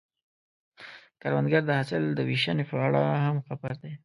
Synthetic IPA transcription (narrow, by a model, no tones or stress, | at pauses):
kaɾwand̪ɡaɾd̪əhasɪld̪əwiʃanepəaɽa̰hamxabaɾd̪e